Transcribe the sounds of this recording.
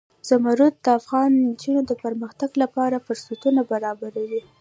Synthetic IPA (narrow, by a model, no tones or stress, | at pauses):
z̥amaɾut̪̚d̪əafɣɑnd͡ʒunod̪əpəɾməxt̪aɡlapɑɾafʊɾsut̪unabaɾɑbaɾawi